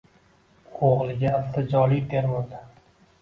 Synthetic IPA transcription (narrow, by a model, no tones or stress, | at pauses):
oʁlɪɡʲaːft̪ad͡ʒɒlɪd̪eɾmad̪a